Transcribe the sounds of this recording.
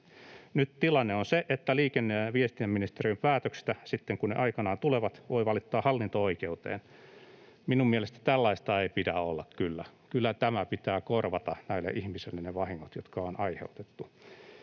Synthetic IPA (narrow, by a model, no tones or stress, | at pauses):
nyt̪t̪ilɑnːeonseʔet̪ːæliːkenːeʋiest̪iæmminist̪eriømpæːt̪økst̪æsit̪ːeŋkunḛʔɑikɑnɑːnt̪uleʋɑt̪ʋoiʋɑlit̪ːɑːhɑlːint̪ooikeut̪ḛːn | minumielest̪æ̥t̪ælːɑist̪ɑeipidæolːɑkkylːækylːæt̪æmæpit̪æːkorʋɑt̪ɑnæilːḛʔihmisilːeneʋɑhiŋːot̪jot̪kɑonɑihḛut̪e̥t̪ːu